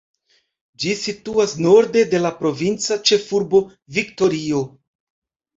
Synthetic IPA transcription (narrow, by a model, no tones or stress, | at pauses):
d͡ʒisituasno̞ɾde̞de̞lapɾo̞vint͡sat͡ʃe̞fuɾbo̞ | vikto̞ɾio̞